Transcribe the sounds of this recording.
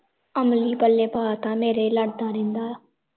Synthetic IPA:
əmliːpəlːeːpaːt̪ãːmeːɾeːləɽd̪ãːɾɪ̃nd̪aː

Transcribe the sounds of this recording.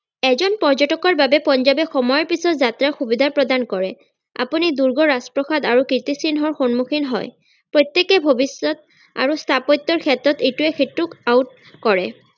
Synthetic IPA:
ɛzɔnpɔɹd͡ʒɔtɔkɔɹbabɛpɔnzabɛxɔmɔjɔɹpisɔtzatɹaɹxubid̪ʱapɹɔdankɔɹɛ̰ | a̰puniduɹɡɔɹaspɹɔxadaɹukɹit̪isinɦɔɹxonmuxʰinɦɔ̰j | pɹojt̪ːekɛbʱobisːɔt̪̚ | a̰ɹustʰapɔt̪ːɔɹkʰɛtɹɔtetuɛkʰitɹukaut̚ | kɔɹɛ

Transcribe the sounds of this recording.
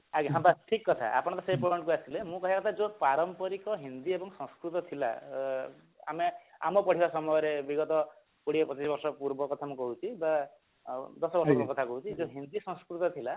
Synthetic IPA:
aɡiɦãmbaʈʰikːɔt̪ʰa̰ʔa̰pɔɽ̃t̪ɔseipɾoeɳʈkuasilemũkɔɦiakɔt̪ʰad͡ʒopaɾɔmpɔɾikɔɦind̪iebɔŋsɔ̃skɾut̪ɔt̪ʰila̰ | a̰mea̰mɔpɔʈʰibasɔmɔjɔɾebiɡɔt̪ɔ | kuɽiepɔt͡ʃisɔbɔɾsɔpuɾbɔkɔt̪ʰamũkɔɦut͡ʃʰiba | d̪ɔsɔbɔɾsɔkkɔt̪ʰakɔɦut͡ʃʰid͡ʒoɦind̪isɔ̃skɾut̪ɔt̪ʰila

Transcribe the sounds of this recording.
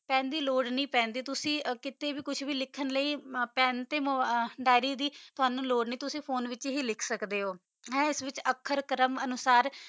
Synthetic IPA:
pɛ̃ːnd̪iːloːɖnĩːpɛ̃ːnd̪iːt̪ʊsĩːkɪt̪eːʋiːkʊt͡ʃʰʋiːlɪkʰːənləiːpɛ̃ːnt̪eːmɖaːɪɾiːd̪iːt̪ʊaːnũːloːɖnĩːt̪ʊsĩːpʰoːnʋɪt͡ʃɦiːlɪkʰsəkd̪eːɦoː | ɦɛ̃ːɪsʋɪt͡ʃəkʰːəɾkəɾəmənʊsaːɾ

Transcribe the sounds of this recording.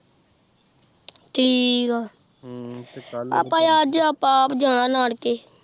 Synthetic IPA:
ʈʰiːkaː | a̰ːpãːjaːd͡ʒaːpãpd͡ʒãːɽ̃ãːnaːɽkeː

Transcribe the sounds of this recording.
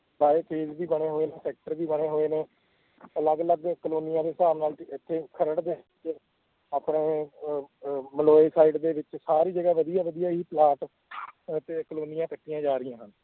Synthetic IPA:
baːeːpʰeːzbiːbəɽ̃eːɦoːeːneːsɛːk̚ʈəɾʋiːbəɽ̃eːɦoːeːnẽː | ələɡələɡkloːnijãːd̪eːsaːmnaːlɪt̪ʰːeːkʰəɾəɽd̪eːt͡ʃ | aːpɳeː | məloːeːsaːiːɖd̪eːʋɪt͡ʃsaːɾiːd͡ʒəɡaːʋəd̪ijaːʋəd̪ijaːɦiːplaːʈ | t̪eːkəloːnijãːkəʈːijãːd͡ʒaːɾɪjãːɦən

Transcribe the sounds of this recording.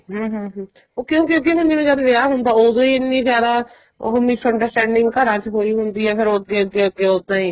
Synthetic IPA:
ɦəːɦəːɦː | oːkjõːkɪõɡiɦʊ̃nd̪ĩːmẽd͡ʒaːd̪ʋeaːɦʊnd̪aːoːd̪õːiːɪnːĩːzjaːd̪a̰ː | ɦomɪsəɳɖəɾsʈɛ̃ːɳɖɪŋɡkəɾãːt͡ʃɦoːiːɦʊnd̪iːɦɛːpʰɪɾoːəɡeːəɡeːəɡeːot̪ːãːiː

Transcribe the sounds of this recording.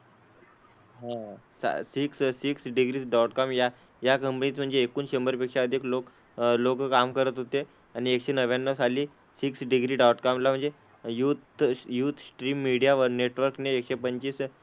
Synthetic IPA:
ɦãsa̰sikssiksɖiɡɾiːsɖaʈkamja | jakəmpniːt̪m̤əɳd͡zeːkuːnɕəmbəɾpekʂaʋəd̪ʱeklok | lokkamkəɾət̪ɦot̪e | añiekʂenəʋjanːəʋsaliː | siksɖiɡɾiːɖawʈkamlam̤əɳd͡ze | jut̪juːt̪sʈɾiːmːiɽijaʋəɾneʈʋəɾkneːkɕepəɲt͡ɕiːs

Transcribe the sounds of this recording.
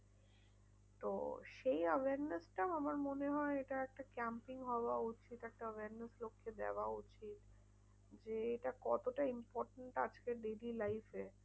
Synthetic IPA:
t̪o̰ʃejəʋeaɾnesʈaamaɾmoneɦɔeeʈaɛk̚ʈakɛmpiŋɦɔoaut͡ɕit̪ɛk̚ʈaəʋeaɾneslokʰːed̪ɛ̰oaut͡ɕit̪ | d͡ʑeeʈakɔ̰t̪oʈaimpɔɾʈeɳʈad͡ʑkeɖelilajfe

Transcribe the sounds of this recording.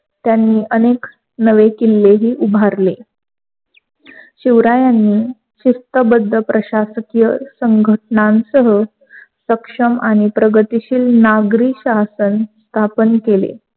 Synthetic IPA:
t̪janːiːʔənek | nəʋekilːeɦiːʔubʱaɾle | ɕiʋɾajanːiː | ɕist̪əbəd̪ʱːəpɾəɕasəkjəsəŋɡʱəʈnãnsəɦə | səkʂəmaɽ̃ipɾəɡət̪iɕiːlnaɡɾiːɕasənst̪ʰapənkelḛ

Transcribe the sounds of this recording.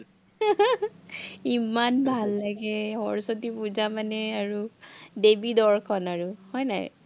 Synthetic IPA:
imanbʱalːaɡɛxɔɹsotipuzamanɛaɹudebidɔɹkʰɔnaɹuhɔjna̰j

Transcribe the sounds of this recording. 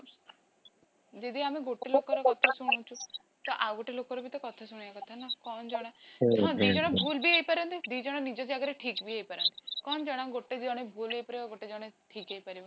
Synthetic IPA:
d͡ʒed̪iameɡoʈelokɔɾɔkɔt̪ʰasuɽ̃owt͡ʃʰu | t̪ɔʔawɡoʈelokɔɾɔbit̪ɔkɔt̪ʰasuɽ̃iakɔt̪ʰanakɔnd͡ʒɔɽ̃aɦɔ̃d̪id͡ʒɔɽ̃ɔbʱulbiejpaɾɔnt̪id̪id͡ʒɔɽ̃ɔnid͡ʒɔd͡ʒaɡaɾeʈʰikbieɦipaɾɔnt̪i̥kɔnd͡ʒɔɽ̃aɡoʈed͡ʒɔɽ̃ebʱulejpɔɾeɡoʈed͡ʒɔɽ̃eʈʰikejpaɾibɔ

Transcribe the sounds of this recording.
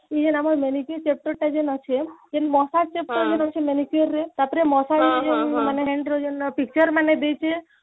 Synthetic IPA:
id͡ʒenamɔɾmenikt͡ʃep̚ʈəɾʈad͡ʒenɔt͡ʃʰed͡ʒenmɔsat͡ʃep̚ʈəɾd͡ʒenɔt͡ʃʰemenikioɾːet̪apɾemɔsaied͡ʒenmaneɦeɳɖɾɔd͡ʒenpik̚t͡ʃəɾmaned̪ejt͡ʃʰe

